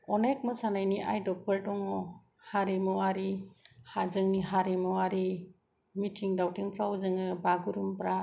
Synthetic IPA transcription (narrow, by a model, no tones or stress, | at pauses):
ɔnek̚mɯsanajniʔa̰jdɔpəɾdɔŋɔ | haɾimɔaɾihazɯŋniɦaɾimɔaɾi | mitʰiŋdawtiŋpʰɾawuzɯŋɯbaɡuɾumpɾa